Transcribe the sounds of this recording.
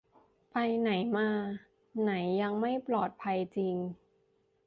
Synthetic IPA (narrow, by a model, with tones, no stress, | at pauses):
pa˧jna˩˦jmaː˧ | na˩˦jːa˧ŋma˥˩jplɔː˨˩t̪̚pʰa˧jt͡ɕi˧ŋ